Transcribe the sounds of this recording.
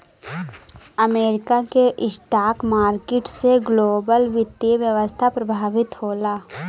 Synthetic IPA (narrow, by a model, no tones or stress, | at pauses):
əmeːɾɪkakeʔɪsʈaːkmaːɾkɪʈseɡloːbəlʋɪt̪iʋjəʋəst̪ʰapɾɐbʱaːʋɪt̪hoːlaː